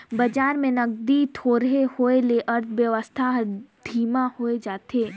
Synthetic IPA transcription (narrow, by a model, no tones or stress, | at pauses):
bɐd͡ʒaːɾmẽnɐɡ̚d̪it̪ʰoːɾɦehoːeleʔɐɾt̪ʰʋjəʋəst̪ʰad̪ʱiːmãhoːed͡ʒaːt̪eː